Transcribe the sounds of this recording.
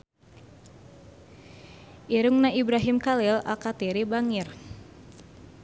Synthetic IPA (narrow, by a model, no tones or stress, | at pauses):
ʔiɾʊŋnaʔibɾaɦimkalila̰lkat̪iɾibaŋir